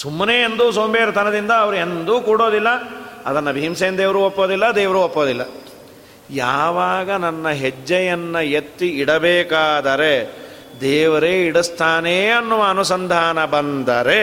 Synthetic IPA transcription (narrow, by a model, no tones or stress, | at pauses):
sumːɐneːend̪uːsoːmbeːɾɐt̪ʰɐnɐd̪ind̪ɐːʋɐɾuend̪uːkuːɽo̞ːd̪ilːɐɐd̪ɐnːɐbʱiɦimseːnd̪eːʋɐɾuːopːoːd̪ilːɐd̪ɛːʋɐɾuːopːoːd̪ilːɐ̰ | jaːʋaːɡɐnɐnːɐɦed͡ʒːɐjɐnːɐjet̪ːiiɽɐbɛːkaːd̪ɐɾe̞ | d̪ɛːʋɐɾeiɽɐst̪ʰaːneːɐnːuʋɐːnusɐnd̪ʱaːnɐbɐnd̪ɐɾe